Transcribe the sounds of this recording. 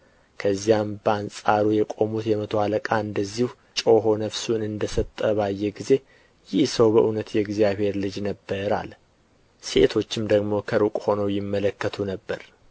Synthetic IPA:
kʰəzːijambəansʼaɾujɛkʼo̞mut̪jɛmət̪ʰo̞aləkʼaɨnd̪əzːihu | t͡ʃʼo̞ɦo̞nəfsunɨnd̪əsət̪ʼːəβajːɛɡize̞ | jɪhsəwbəʔunət̪jɛɡzijaβhe̞ɾlɨd͡ʒnəbːəɾa̰l | se̞̰t̪ʰo̞t͡ʃːɪmd̪əɡmo̞kʰəɾukʼho̞nəwjɪmːələkːət̪ʰunəbːəɾ

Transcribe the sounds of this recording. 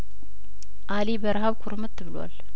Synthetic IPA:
ʔalibəɾɦaβkʷʰʊɾmɨt̪ʰːɨβɨlwa̰l

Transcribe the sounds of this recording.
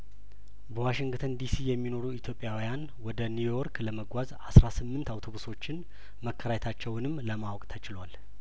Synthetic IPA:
bəwaʃɪŋɡt̪ʰənd̪isijɛmːino̞ɾuit̪ʰjo̞pʼjawijan | wɔd̪ənujoɾkləməɡʷazasɾasɨmːɨnt̪awt̪ʰo̞βuso̞t͡ʃːɪn | məkʰːəɾajɛt̪ʰat͡ʃːɛwnɨmːləmawkʼt̪ʰət͡ʃɪlwal

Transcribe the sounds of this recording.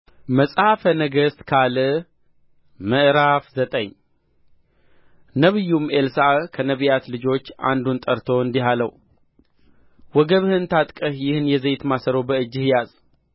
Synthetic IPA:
məsʼhafənəɡəst̪kʰalə | məʔɾafzət̪ʼəɲ | nəβɨjːumelsakʰənəβijat̪lɨd͡ʒo̞t͡ʃːa̰nd̪unt̪ʼəɾt̪ʰo̞ɨnd̪iɦalə̰w | wɔɡəβhɨnt̪ʰat̪ʼkʼəhjɪhɨnjɛzejt̪masəɾowbəɨd͡ʒːɨhjaz

